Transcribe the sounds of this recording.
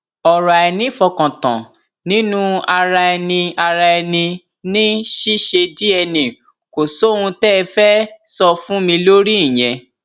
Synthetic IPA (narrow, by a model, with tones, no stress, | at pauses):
ɔ˨ɾa˨ɛ˧nĩ˦fɔ˧kã˨tã̰˨ | nĩ˦nũ˦a˧ɾa˧ɛ˧nĩ˧a˧ɾa˧ɛ˧nĩ˧ | nĩ˦ʃi˦ʃe˧di˦ɛ˧nĩ˨ | ko˨so˨˦˨ũ˧tɛ˦˧fɛ˦sɔ˧fũ˦mĩ˧lo˦ɾi˦ĩ˦˨j̃ɛ̃˨˧